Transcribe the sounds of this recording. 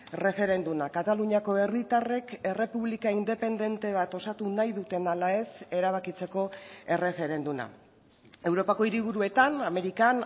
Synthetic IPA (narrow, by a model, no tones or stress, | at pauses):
re̞fe̞ɾe̞nd̪umakat̪aluɲiako̞e̞rit̪are̞ke̞re̞puβlikaind̪e̞pe̞nd̪e̞nt̪e̞β̞at̪o̞sat̪unajðut̪e̞nalae̞se̞ɾaβakit͡se̞ko̞e̞re̞fe̞ɾe̞nd̪uma̰ | e̞wɾo̞pako̞iɾiβ̞uɾue̞t̪aname̞ɾikan